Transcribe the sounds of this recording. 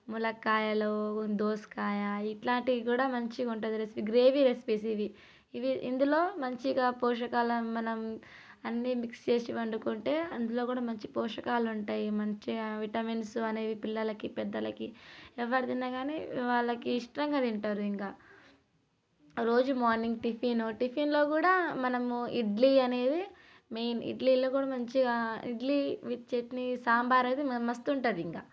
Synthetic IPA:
mulɐkaːjɐloːd̪oːskaːjɐiʈlaːɳʈikikuːɽaːmɐɲt͡ʃiuɳʈund̪iɾespiɡɾe̞ːʋiɾespisiʋi | iʋiḭnd̪ulo̞ːmɐɲt͡ʃiɡaːpɔːʃ̬ɐkaːlɐmɐnɐm | ɐnːimikst͡ʃe̞ːsiʋɐɳɖukoɳʈe̞ːɐnd̪ulo̞ːkuːɽaːmɐɲt͡ʃipɔːʂɐkaːluɳʈaːjimɐɲt͡ʃiʋiʈɐminsuɐne̞ːʋipilːɐlɐkipɛd̪ːɐlɐkiɛʋːɐɽid̪inːaɡaːnḛʋaːɭːɐkiːʂʈɾɐŋɡaːd̪iɳʈaːɾuiŋkaː | ɾo̞ːd͡ʒumaːɾniŋɡʈipʰiːnuʈipʰiːnlo̞ːkuːɽaːmɐnɐmuiɖliɐne̞ːd̪i | mejnḭɖliːlo̞ːkuːɽaːmɐɲt͡ʃiḭɖliʋit͡ʃet̪nisaːmbaːɾɐjd̪imɐst̪uɳʈaːd̪iiŋkaː

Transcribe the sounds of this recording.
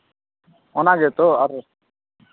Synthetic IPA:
ɔnaɡɛt̪ɔaɾ

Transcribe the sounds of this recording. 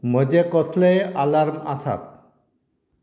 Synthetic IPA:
məd͡ʑekɔsʰlejalaɾma̰sa̰k

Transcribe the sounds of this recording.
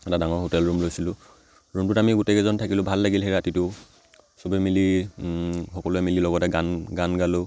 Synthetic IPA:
ɛtadaŋɔɹɦotɛlɹumlojsilʊ | ɹumtʊtamiɡutɛkɛzɔntʰakilʊbʱalːaɡilɦɛɹatitʊ | sɔbɛmili | xɔkɔlʊɛmililɔɡɔtɛɡanɡanɡalʊ

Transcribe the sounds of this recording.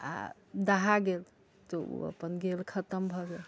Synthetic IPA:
a̰ | d̪əɦaɡel | t̪ɔo̰ə̰pənɡelkʰət̪əmbʱɔɡel

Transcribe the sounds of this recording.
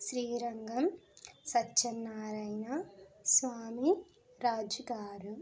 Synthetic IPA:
ʃɾiːɾɐŋɡɐmsɐt͡ʃːɐnːaːɾɐjnɐsʋaːmi | ɾaːd͡ʒuɡaːɾu

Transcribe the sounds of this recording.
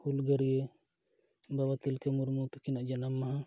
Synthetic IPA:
hulɡəɾie | bawat̪ilkɛmuɾmut̪ukinaʔd͡ʒanamːaɦã

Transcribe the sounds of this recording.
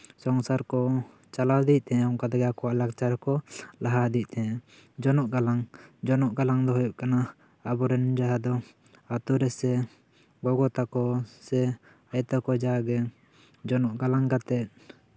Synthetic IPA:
sɔŋsaɾkɔ | t͡ʃalawd̪ic̚t̪ɛɛɔŋkad̪ɛɡakɔwaʔlakt͡ʃaɾɛkɔlaɦad̪ic̚ˀt̪ɛɛ | d͡ʒɔnɔʔɡalaŋd͡ʒɔnɔʔɡalaŋd̪ɔɦɔjuʔkanaː | bɔɾɛnd͡ʒaɦad̪ɔ | at̪uɾɛsɛ | ɡɔɡɔt̪akɔsɛ | ajt̪akɔd͡ʒaɡɛ | d͡ʒɔnɔʔɡalaŋɡat̪ɛt̪̚

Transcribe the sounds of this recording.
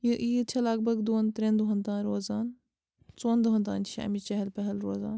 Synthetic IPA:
jʔiːt̪t͡ʃʰɐlaːɡ̚bɐɡd̪oːnt̪ɾẽnd̪uɦɐ̃nd̪ãːnɾoːzaːn | t͡sõːnd̪uɦɐ̃nd̪a̰ːnʃa̰ːmit͡ʃɐɦɐlpɐɦɐlɾoːza̰ːn

